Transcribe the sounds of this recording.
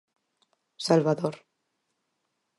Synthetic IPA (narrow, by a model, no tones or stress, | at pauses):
salβaðoɾ